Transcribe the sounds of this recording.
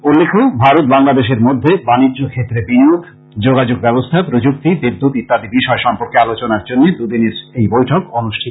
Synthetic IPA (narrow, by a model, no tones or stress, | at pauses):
ulːekʰobʱaɾot̪̚baŋlad̪eʃeɾmod̪ʱːebaniːokʰet̪ːɾebiniok | d͡ʑoɡad͡ʑoɡbɛbost̪ʰaepɾod͡ʑuk̚t̪ibid̪ʱːut̪it̪ad̪ibiʃɔeʃɔmpoɾkealot͡ɕonaɾd͡ʑonːed̪ud̪ineɾejbojʈʰokonuʃʈʰit̪